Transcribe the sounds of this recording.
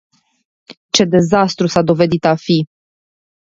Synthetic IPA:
t͡ʃe̞d̪e̞zast̪ɾusad̪o̞ve̞d̪it̪afi

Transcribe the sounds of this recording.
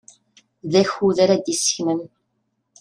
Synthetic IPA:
ðæçuðaɾæd̪isə̥çməm

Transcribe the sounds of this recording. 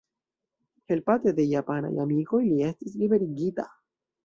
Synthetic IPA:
he̞lpatede̞japana̰jamiko̞jlie̞stis̬libe̞ɾiɡita̰

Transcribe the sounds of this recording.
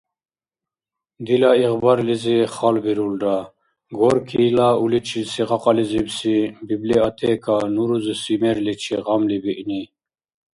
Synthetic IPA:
d̪ilaiʁbɑɾliziχɑlbiɾulɖ̪a | ɡɔɾkʰiːlaulit͡ʃʰilsiʁɑqʼɑlizibsibibliat̪ʰɛkʰanuɾuzisimɛɾlit͡ʃʰiʁɑmlibiʔni

